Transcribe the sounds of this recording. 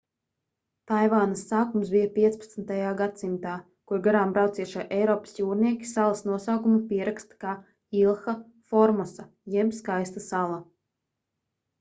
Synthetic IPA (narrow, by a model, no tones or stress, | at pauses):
t̪ajvaːnasːaːkumsbijapʲiɛt̪spat̪snt̪ajaːɡat̪simt̪aː | kuɾɡaɾaːmbɾawt̪siɛʃaʔɛjɾɔːpḁsjuːɾniɛkʲi̥salˠasnuɔsawkumupiɛɾakst̪kaː | ilˠxa | fɔɾmɔsa | jɛbskajst̪asalˠa